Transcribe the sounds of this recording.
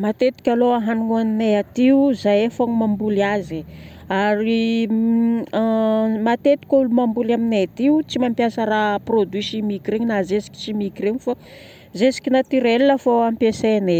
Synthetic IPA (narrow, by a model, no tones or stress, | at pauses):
mat̪et̪i̥kʲaloaɦanuŋuanineat̪iuzajefaŋimambuliazi | aɾi | mat̪et̪i̥kʲaulumambulaminet̪iut͡simampjasəraprod̪wisimikireɲinazesi̥kʲi̥t͡simikireɲifa | zesi̥kʲinat̪iɾelnəfoampesene